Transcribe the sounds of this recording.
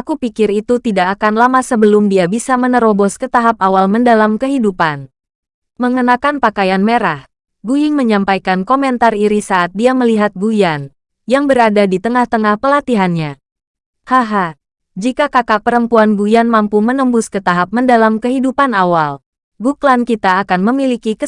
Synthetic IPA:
ʔakupikɪɾit̪ut̪idaʔːkanlamasəbəlʊmdiabisamənəɾobɔskət̪aɦap̚awalməndalamkəɦidupan | məŋənakanpakajanmeɾah | ɡujɪŋməɲampajkankomɛnt̪ariɾisaːt̪̚diaməliɦat̪̚ɡujan | jaŋbəɾadadit̪əŋaht̪əŋahpəlat̪iɦanɲa | haɦa | d͡ʒikakakapəɾəmpuanɡujanmampumənəmbʊskət̪aɦap̚məndalamkəɦidupanawal | ɡuklankit̪aːkanməmilikikə

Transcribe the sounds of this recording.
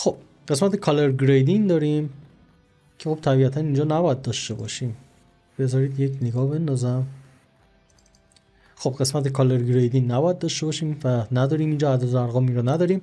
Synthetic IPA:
xob̥̚ | ɢe̞smæt̪ʰekʰɒleɾɡɾejd̪ind̪ɒːɾiːm | cʰe̞xo̞b̥̚t̪ʰæbiːæt̪ʰæniːnd͡ʒɒːnæbɒːjæd̪̚d̪ɒːʃt̪e̞bɒ̰ːʃiːm | b̥e̞zɒːɾiːd̪jekʰneɡɒːhbe̞nd̪ɒzæm | xob̥ɢe̞smæt̪ekʰɒleɾɡɾejd̪inːæbɒːjæd̪̚d̪ɒːʃt̪e̞bɒːʃiːmvænæd̪ɒːɾiːmiːnd͡ʒɒːæd̪æzæɾɣɒːmiːɾɔnæd̪ɒːɾiːm

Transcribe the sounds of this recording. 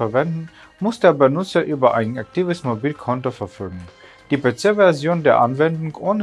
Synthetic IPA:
ɛɐvɛndn̩ | mʊsd̥eːɐbənʊt͡sɐʔyːbɐʔaɪnʔak̚tʰiːvəsmobiːlkʰɔntofɛɐfɔlɡŋ̩ | d̥iːpet͡sevɛɐzjoːndeːɐʔanvɛndʊŋʔoːnə

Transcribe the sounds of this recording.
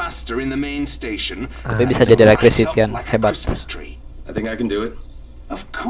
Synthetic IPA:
astəɹɪ̃nðəmẽɪ̃nsteɪʃə̃nt̪apibisad͡ʒadiɾɛk̚t̪ɾɪsit̪ianhɛbat̪ɹ̥iaɪθɪ̃ŋkaɪkə̃ndəɪt̚ | əv̥kʰ

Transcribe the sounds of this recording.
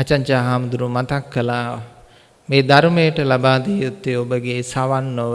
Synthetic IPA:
at͡ʃaɲt͡ʃaːɦaːmud̪uɾumat̪akːəlaː | meːd̪aɾmejəʈəlabaːd̪iːut̪ːeobəɡesaʋanːoʋ

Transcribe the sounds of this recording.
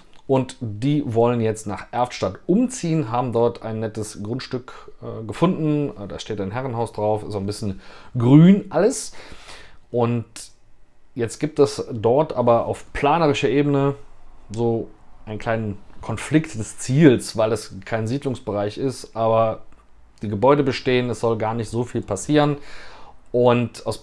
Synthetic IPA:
ʔʊntd̥iːvɔlənjɛt͡stnaːχʔɛɐftʃtatʔʊmt͡siːənɦaːbm̩dɔɐtʰa̰ɪnːɛtəsɡ̥ʁʊntʃtʏkːɡəfʊndn̩d̥aːʃteːtaɪnɦɛʁənɦaʊsd̥ʁaʊfɛsszonbɪsçənɡʁyːnʔaləs | ʔʊnt | jɛt͡stɡ̥iːp̚tɛsdɔɐtʔaːbɐʔa̰ʊfpʰl̥aːnəʁɪʃɐʔeːbənəzoːʔaɪnkʰl̥aɪnənkʰɔnflɪktd̥ɛst͡siːlsv̥aɪlɛskʰaɪnziːdlʊŋsb̥əʁaɪçɪstʔaːbɐ | d̥iːɡəbɔʏdəbəʃteːənɛsz̥ɔlɡaːɐnɪçtz̥oːfiːlpʰasiːʁən | ʔʊntaʊs

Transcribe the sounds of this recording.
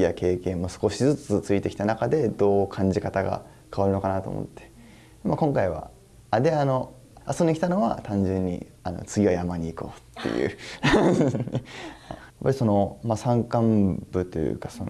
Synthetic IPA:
ijake̞ːkẽ̞mːo̞sɨ̥ko̞ɕizɨt͡sɨt͡sɨit̪e̞kʲi̥t̪anakad̪e̞d̪o̞ːkʰãɲ̟d͡ʑikat̪aɡa̰ | kaβaɾɯno̞kanat̪o̞̰mo̰t̪ːe̥ | makõŋkaiβa̰ | ad̪e̞ano̞ | asoɲːikʲi̥t̪anoβa̰t̪ãɲ̟d͡ʑɨ̃ɲ̟ːḭ | ano̰t͡sɨɡʲiβajamaɲ̟iːkoːt̪ʰːe̞̰jɯ̟̰ː | ajapːaɾʲiso̞no̞masãŋkãmb̥ɯ̟t̪ːojɯ̟̰kḁson

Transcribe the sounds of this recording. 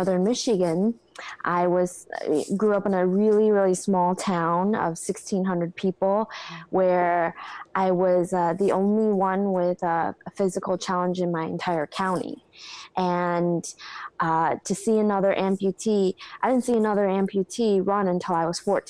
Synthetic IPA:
ʌðə̃˞nmɪʃɨɡɨ̃n | ʔa̰ɪwʌz̥ɡɹuʌpə̃nɨɹɪlˠiɹɪlˠismɔlˠtʰãʊ̃nʌ̰v̥sɪkstʰĩnɦʌ̃ndɹɨd̚pʰipl̩ˠwə˞ʔaɪwʌzʌðiʔõ̰ʊ̃nliwʌ̃nwɪðʌəfɪzɨkl̩ˠt͡ʃʰælˠə̃nd͡ʒɨ̃nmaɪɨ̰̃ntʰaɪə˞kʰãʊ̃ñḭʔɨ̃nʔʌtʰɨsiɨnʌðə˞ʔɛ̃mpʰjʉtʰiaɪdɪdⁿn̩siɨnʌðə˞ɛ̃mpʰjʉtʰiɹʌ̃nɨ̃ntʰɪlˠaɪwʌz̥fɔɹt

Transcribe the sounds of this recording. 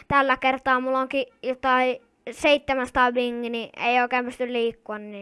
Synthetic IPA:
t̪ælːækert̪ɑːmulːoŋkijot̪ɑi | seit̪ːemænsɑ̥t̪ɑːʋiŋːiniḛˑioˑikeːmpyst̪ylliːkːuɑnːiː

